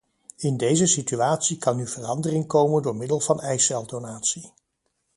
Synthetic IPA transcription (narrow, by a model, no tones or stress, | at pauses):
ɪndejzəsityaːtsikɑnyv̥ərɑndərɪŋkowməndʊːɹmɪdəlˠv̥ɑnɛjsɛlˠdownaːtsi